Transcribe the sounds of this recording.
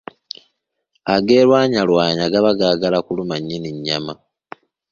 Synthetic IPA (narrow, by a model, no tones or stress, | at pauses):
aɡe̞ːlwaːɲalwaːɲaɡaβaɡaɡalakulumaɲːiniɲːama